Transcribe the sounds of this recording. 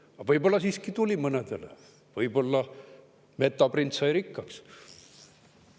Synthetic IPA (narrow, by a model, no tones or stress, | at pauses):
ɑvɤjbo̞lːɑsiːskit̪ulʲimɤned̪elḛ | vɤjbo̞lːɑ | me̞t̪ːˑɑprint̪sɑjɾikːɑks